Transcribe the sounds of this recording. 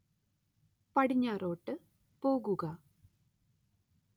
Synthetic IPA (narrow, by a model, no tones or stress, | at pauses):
pɐɽiɲːaːro̞ːʈːɨ | po̞ːɣuɣɐ